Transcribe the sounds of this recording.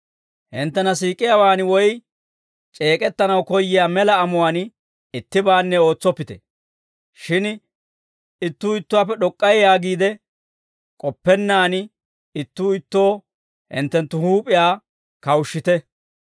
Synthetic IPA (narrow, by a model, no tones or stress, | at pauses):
hɪnt̪ːɛnɐsiːkʼɪjawaːnwɔj | t͡ʃʼe̞ːkʼɛt̪ːɐnɐwkɔjːɪjaːmɛlɐːmʊwaːn | ɪt̪ːɪbaːnːɛo̞ːt͡sːɔpːɪt̪ɛ̰ | ʃɪn | ɪt̪ːuːɪt̪ːʊwaːpːɛɗɔkʼːɐjjaːɡiːd̪ɛ | kʼɔpːɛnːaːn | ɪt̪ːuːɪt̪ːo̞ː | hɪ̰nt̪ːɛnt̪ːʊhuːpʼɪjaː | kɐwʊʃːɪt̪ɛ